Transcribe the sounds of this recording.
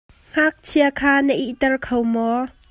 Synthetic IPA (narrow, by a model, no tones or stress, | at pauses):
ŋ̥aːk̚t͡sʰiakʰaːnəʔiʔt̪ɛrkʰowmɔ